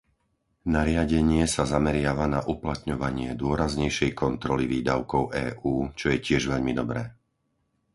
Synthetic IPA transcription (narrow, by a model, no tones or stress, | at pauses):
naɾɪaɟɛɲɪɛsazamɛɾɪaʋanaʔuplat̪ɲɔʋaɲɪɛd̪ʊɔɾazɲɛjʃɛjkɔnt̪ɾɔliʋiːd̪aʊkɔʊʔɛːʔuːt͡ʃɔjɛcɪɛʒʋɛʎmid̪ɔbɾɛː